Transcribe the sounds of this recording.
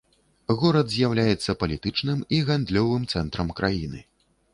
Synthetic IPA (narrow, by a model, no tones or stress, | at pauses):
ɣɔɾɐd̪zʲjawlʲajɛt̪sːɐpɐlʲit̪ɨt͡ʂnɨmiɣand̪lʲɔvɨmt̪sɛnt̪ɾɐmkɾʔajinɨ̰